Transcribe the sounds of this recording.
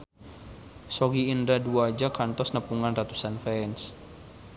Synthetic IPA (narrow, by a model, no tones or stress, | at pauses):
sɔɡiːndaduaːd͡ʒakant̪ɔsnəpuŋanrat̪usanfɛns